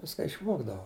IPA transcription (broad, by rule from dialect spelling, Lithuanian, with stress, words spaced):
ˈʋʲɪskɐ ɪʃˈʋoːɡdɐʋoː